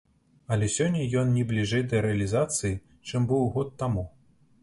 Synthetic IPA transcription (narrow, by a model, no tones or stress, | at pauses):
ɐlʲɛsʲɔnʲːɐjɔnnʲɛblʲiʐɛjd̪ɐɾɛɐlʲizat̪sɨji | t͡ʂɨmbɨwɣɔt̪ːamu